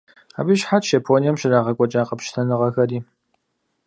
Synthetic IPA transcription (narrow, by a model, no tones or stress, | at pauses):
a̰bɨʃħatʰʃɐpʰoːnijɛmɕɪraːʁɐkʷʼɔt͡ʃʼaːqɐpʃtʰɐnɨʁɐxɐɾiː